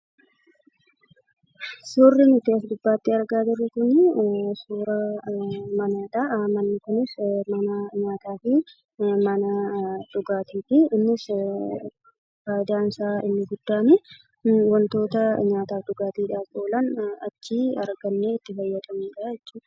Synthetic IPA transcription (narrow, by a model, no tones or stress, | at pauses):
sʊːrːɪnɪt̪ːɪɐsd̪ʊbːaːt̪ːɪɐɾɡaːd͡ʒɪrːɛkʊnɪsuːɾɐ | mɐnaːᶑaʔmɐnːɪkʊnɪsmɐnɐɲaːt̪aːfɪ | mɐnɐᶑʊɡaːt̪iːt̪ɪɪnːɪs | faːjd̪aːnsaːɪ̰nːɪɡʊd̪ːaːne | wɐnt̪o̞ːt̪ɐɲaːt̪aːfd̪ʊɡaːt̪iːᶑaːkoːlɐnɐt͡ʃːiːɐɾɡɐnːeːɪt̪ːɪfɐjːɐt̪ʼɐmiːᶑaːjɛt͡ʃːuː